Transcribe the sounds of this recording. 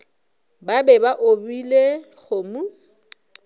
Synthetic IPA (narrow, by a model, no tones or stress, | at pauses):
babɛbaʔobile | ɣʊmu